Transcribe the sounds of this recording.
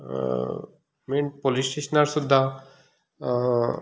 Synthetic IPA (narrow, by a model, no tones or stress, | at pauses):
meɳpolisʈeʃnaɾsud̪ʱːa